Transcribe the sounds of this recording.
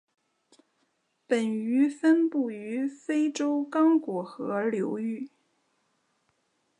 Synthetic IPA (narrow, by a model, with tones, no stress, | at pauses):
pə˨˩ny˧˥fə˥npu˥˩y˧˥fe˥ɪʈ͡ʂo˥ʊkɑ˥ŋkwɔ˨˩xɤ˧˥ljo˧˥ʊy˥˩